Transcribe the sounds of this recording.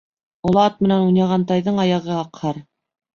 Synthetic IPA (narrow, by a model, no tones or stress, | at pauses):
ŏlˠɑt̪̚mɘ̆nænujnɑʁɑnt̪ɑjðɤɴɑjɑʁɤɑqhɑɾ